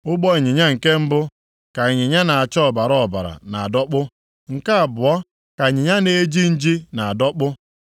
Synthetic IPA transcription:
ʊ˦k͡pɔ˦i˨ɲɪ˨ɲa˦ŋ̩˨ke˦m̩˦bʊ˦ | ka˨i˨ɲɪ˨ɲa˦na˨a˨t͡ʃɔ˦˨ba˨ɾɔ˦˨ba̰˨ɾa̰˨na̰˨a˨dɔ˦k͡pʊ˦ | ŋ̩˨ka˦a˨bʊ˨ɔ˦ | ka˨ɲɪ˨ɲa˦ne˦d͡ʒi˦n̩˦d͡ʒi˦na˨a˨dɔ˦k͡pʊ˦

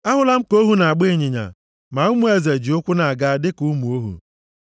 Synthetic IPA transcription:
a˦ɦʊ˦la˦m̩˦ko˦ɦu˦na˨a˨ɡ͡be˦˨ɲɪ˨ɲa̰˨ | ma˨ʊ˦mu˨e˦ze˨d͡ʒi˨ʊ˦kʷʊ˦na˨a˨ɡa˦dɪ˦ku˦mu˨o˦ɦṵ˨

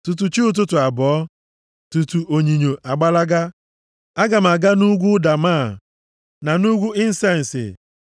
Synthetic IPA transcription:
tu˨t̬u˨t͡ʃi˦u˦t̬ʊ˦tʊ˨a˨bɔ˨˦ | tu˨tu˨ʔo˨ɲi˨ɲo˨ʔa˨ɡ͡ba˦la˦ɡa˦ | a˦ɡa˨m̩˨a˨ɡa˦nu˦ɡʷu˦da˨maː˦˨ | na˨nu˦ɡʷu˦ɪ˦n̩˦sa˦˨n̩˨sɪ̰˨

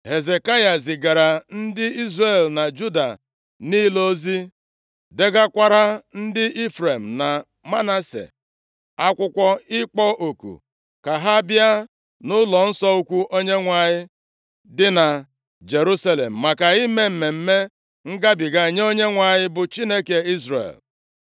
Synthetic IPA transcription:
he˨ze˨ka˦ja˨s̬ɪ˨ɡa˨ɾa˨n̩˦dɪ˦i˦zre˨lna˨d͡ʒu˦da̰˨ | niː˦lo˦zi˦ | de˦ɡa˦kʷa˦ɾa˦n̩˦dɪ˦i˦fɾe˨m̩˨na˨ | ma˦na˦sḛ˨ | a˦kʷʊ˦kʷɔ˦ɪ˦k͡pɔ˦ʔo˨kṵ˨ | ka˨ɦa˦bja˦ | nʊ˦lɔ˨n̩˦sɔ˦u˦kʷu˦ʔo˦ɲe˦ŋʷa˨ɲɪ˦ | dɪ˦na˨ | d͡ʒe˨ɾu˦sa˦lḛ˨m̩˨ma˨ka˨i˦me˦m̩˨me˨m̩˦me˦ | ŋ̩˦ɡa˦bɪ˨ɡa˨ɲ˦o˦ɲe˦ŋʷa˨ɲɪ˦bʊ˨t͡ʃi˦ne˦ke˨i˦zɾḛ˨l

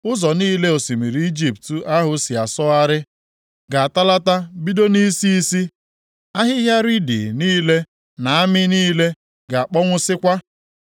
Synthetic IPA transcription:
ʊ˦zɔ˨niː˦le˦o˨si˨mi˨ɾi˨i˦d͡ʒi˦p̚tu˨ʔa˦ɦʊ˨si˨a˨sɔ˦a˦ɾɪ˦ | ɡa˨a˨ta˦la˦ta˦bi˦do˦ni˦si˦i˦si˦ | a˦ɦɪ˦ɦja˦ɾi˦dḭ˨niː˦le˦ | na˨a˦mɪ˦niː˦le˦ | ɡa˨a˨k͡pɔ˦ŋʷʊ˦sɪ˦kʷa˦

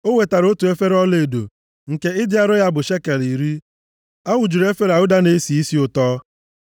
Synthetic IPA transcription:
o˦we˨ta˨ɾo˦tu˨e˦fe˦ɾɔ˦le˨do̰˨ | ŋ̩˨ke˦ɪ˦dɪ˦a˦ɾʊ˦ja˦bʊ˨ʃe˦ke˨li˨ɾi˦ | a˦wʊ˨d͡ʒu˨ɾe˦fe˦ɾa˨ʊ˦da˦ne˨˦si˨i˦si˦ʊ˨tɔː˦

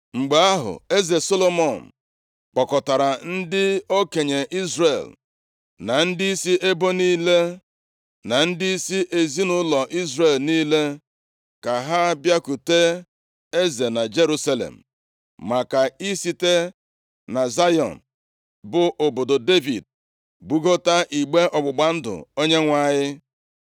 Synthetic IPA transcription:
ŋ͡m̩˨ɡ͡ba˨a˦ɦʊ̰˨e˦ze˨so˦lo˦mɔ˨n̩˨ | k͡pɔ˨kɔ˨ta˨ɾa˨n̩˦dɪ˦o˦ke˨ɲe˨ʔi˦zre˨l | na˨n̩˦dɪ˦i˦si˦e˦bo˦niː˦le˦ | na˨n̩˦dɪ˦i˦si˦ʔe˨zi˦nʊ˦lɔ˨ʔi˦zre˨lniː˦le˦ | ka˨ɦa˦bja˦ku˨te˦ | e˦ze˨na˨d͡ʒe˦ɾu˦sa˦lḛ˨m̩̰˨ | ma˨ka˨i˦si˨˦te˦ | na˨za˦jɔ̰˨n̩˨ | bʊ˨ʔo˨bo˨do˨de˦vḭ˨d̚ | ɡ͡bu˨ɡo˦ta˦ʔi˨ɡ͡be˦ʔɔ˨ɡ͡bʊ˨ɡ͡ba˨n̩˦dʊ̰˨o˦ɲe˦ŋʷa˦ɲɪ˦

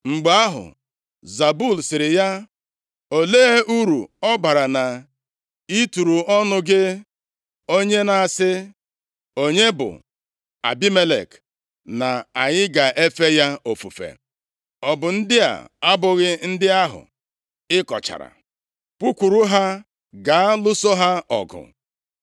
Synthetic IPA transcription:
ŋ͡m̩˨ɡ͡ba˦ɦʊ̰˨ | za˨bu˦˨lsɪ˨ɾɪ˨ja˦ | o˨le˦e˦u˦ɾu˨ɔ˦ba˨ɾa˨na˨ | i˦tu˨ɾu˨ɔ˦nʊ˦ɡɪ˦ | o˦ɲe˦na˨a˨sɪ˦ | o˦ɲe˦bʊ̰˨ | a̰˨bi˦me˦lḛ˨k | na˨a˨ɲɪ˦ɡa˨ʔe˦fe˦ja˦o˨fu˨fḛ˨ | ɔ˨bʊ˨n̩˦dɪ˦a̰˨a˦bʊ˨ɣɪ˦n̩˦dɪ˦a˦ɦʊ̰˨ | ɪ˦kɔ̰˨t͡ʃa̰˨ɾa̰˨ | pu˦kʷu˨ɾu˦ɦa˦ | ɡa˨a˦lʊ˦so˦ɦa˦ɔ̰˨ɡʊ̰˨

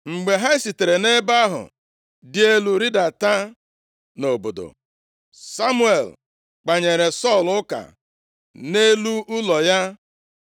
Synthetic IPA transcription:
ŋ͡m̩˨ɡ͡be˨ɦa˦ɪ˦si˨te˨ɾe˨ne˦ba˦ɦʊ̰˨ | dɪ˦e˦lu˨ɾi˦da˨ta˦ | no˨bo˨do̰˨ | sa˦mu˦e˨l | k͡pa˨ɲe˨ɾe˨sɔ˦˨lʊ˦ka̰˨ | ne˦lu˦ʊ˦lɔ˨ja˦

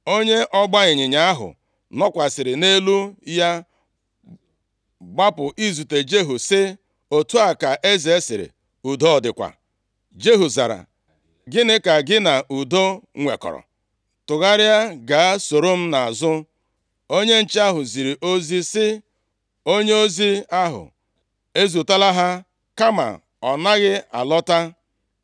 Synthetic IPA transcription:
o˦ɲe˦ʔɔ˦ɡ͡ba˦ɲɪ˨ɲɪ˨ɲa˦a˦ɦʊ̰˨ | nɔ˦kʷa˨sɪ˨ɾɪ˨ne˦lu˦ja˦ | ɡ͡ba˦pʊ˨ʔi˦zu˨te˨d͡ʒe˦ɦu˨sɪ˦ | o˨tu˦a˨ka˨ʔe˦ze˦sɪ˨ɾɪ̰˨ | u˨do˦ɔ˨dɪ˨kʷa̰˨ | d͡ʒe˦ɦu˨za̰˨ɾa̰˨ | ɡɪ˦nɪ˦ka˨ɡɪ˦na˨ʔu˨do˦ŋʷḛ˨kɔ̰˨ɾɔ̰˨ | tʊ˨ɣa˦ɾɪ˦a˦ɡa˨a˦so˨ɾo˦m̩˦na˨a˨zʊ˦ | o˦ɲe˦n̩˨t͡ʃi˦a˦ɦʊ˨zi˨ɾi˨ʔo˦zi˦sɪ˦ | o˦ɲe˦o˦zi˦a˦ɦʊ̰˨ | e˦zu˨ta˦la˦ɦa˦ | ka˦ma̰˨ | ɔ˨na˦ɣɪ˦a̰˨lɔ˦ta˦

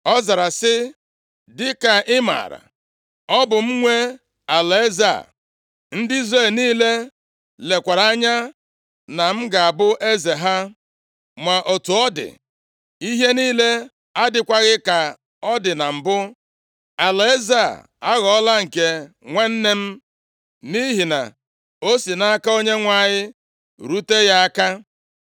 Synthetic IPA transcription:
ɔ˦za˨ɾa˨sɪ˦ | dɪ˦ka˨ʔɪ˦ma̰˨ɾa̰˨ | ɔ˦bʊ˨m̩˦ŋʷe˦ | a˨la˨e˦za̰˨ | n̩˦dɪ˦i˦zɾe˦˨lniː˦le˦ | le˨kʷa˨ɾa˦ɲa˦ | na˨m̩˦ɡa˨a˨bʊ˦ʔe˦ze˨ɦa˦ | ma˨ʔo˨tu˨ɔ˦dɪ̰˨ | i˦ɦe˦niː˦le˦ | a˦dɪ˨kʷa˦ɣɪ˦ka˨ | ɔ˦dɪ˨na˨m̩˨bʊ˦ | a˨la˨e˦za̰˦˨ | a˦ɣɔ˨ɔ˦la˦ŋ̩˨ke˦ | ŋʷe˦n̩˦ne˦m̩˦ | ni˦ɦi˨na̰˨ | o˦si˨na˦a˦ka˦o˦ɲe˦ŋʷa˨ɲɪ˦ | ɾu˦te˦ja˦a˦ka˦

